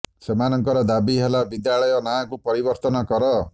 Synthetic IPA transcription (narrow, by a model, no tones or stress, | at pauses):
semanɔŋkɔɾɔd̪abiɦelabid̪jaɭɔjɔnakupɔɾibɔɾt̪ɔnɔkɔɾɔ